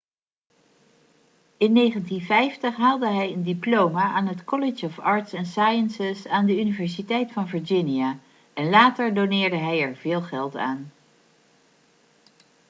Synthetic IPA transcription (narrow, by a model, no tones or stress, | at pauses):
ɪnːejχəntinvɛjftəχɦaːlˠdəɦɛjəndiplowmaʔaːnɦətkɔlɪd͡ʒɔfɑːɹtsɛnsaːjənsɪsaːndəynivɛɹs̬itɛjtfɑnvəɹd͡ʒɪnija | ɛnlaːtəɹdownɪːɹdəɦɛjɛɹv̥ɪːlˠχɛlˠta̰ːn